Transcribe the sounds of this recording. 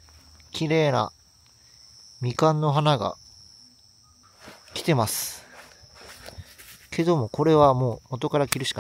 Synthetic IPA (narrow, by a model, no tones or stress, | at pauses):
kʲiɾe̞ːna̰ | mʲikãnːo̞ɦanaɡa̰ | kʲi̥t̪e̞masɨ̥ | kʰe̞d̪o̞mo̞kʰo̞ɾe̞β̞amo̞ːmo̞t̪o̞kaɾakʲiɾɯ̟ɕi̥ka